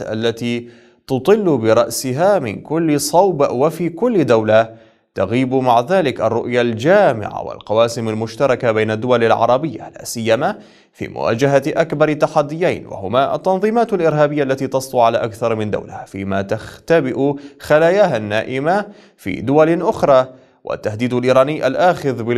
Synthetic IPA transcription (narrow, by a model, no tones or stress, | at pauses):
ʔa̰lːat̪iː | t̪ʊt̪ˤɨlːbɪɾˤɑʔsɪɦaːmɪ̰nkʊlːsˤɑwbawafiːkʊlːd̪awla | t̪aɣiːbmaʕðaːlɪkʔarˤːʊʔjald͡ʒaːmɪ̰ʕa̰wɪ̰lqɑwaːsɪmalmʊʃt̪ɑɾˤɑkabajnad̪ːʊwalalʕɑ̰ɾˤɑbɪjːa̰la̰ːsɪjːama | fḭːmʊ̰wa̰ːd͡ʒaɦaʔakbɑɾˤt̪ːaħad̪ːɪjajnwa̰hʊmaːʔa̰t̪ːɑnðˤiːmaːt̪alʔɪɾɦaːbɪjːaʔlːat̪iːt̪ɑsˤt̪uʕalaːʔakθɑɾˤmɪnd̪a̰wlɪhaːfḭːmat̪axt̪abɪʔʊxalaːjaːhanːaːʔɪma | fḭːd̪ʊwalʔʊxɾˤɑː | wʔa̰t̪ːahd̪iːd̪alʔiːɾˤɑːnɪːʔa̰lʔaːxɪðbɪ